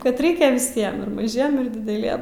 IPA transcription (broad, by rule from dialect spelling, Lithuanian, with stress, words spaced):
ˈkɐt ˈrʲɛɪkʲɛ ʋʲɪˈsʲiɛm ɪr mɐˈʒʲiɛm ɪr dʲɪdʲɛˈlʲiɛm